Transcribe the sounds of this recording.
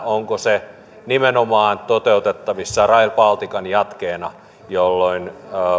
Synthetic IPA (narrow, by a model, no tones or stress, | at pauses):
oŋkose | nimenomɑːnt̪ot̪eut̪et̪ːɑʋisːɑrɑilpɑlt̪ikɑnjɑt̪keːnɑ | jolːoinː